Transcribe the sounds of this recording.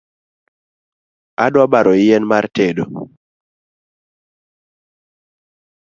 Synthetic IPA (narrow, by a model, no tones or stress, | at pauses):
adwabaɾɔɪjɛnmartedo